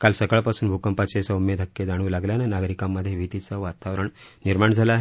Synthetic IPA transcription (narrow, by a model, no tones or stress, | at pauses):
kalsəkəɭpasuːnbʱukəmpat͡sesaumːed̪ʱəkːed͡zaɽ̃ulaɡljanenaɡɾikamːəd̪ʱːjeʋʱit̪it͡səʋat̪aʋɾəɳniɾmaɳd͡zʱalaːɦe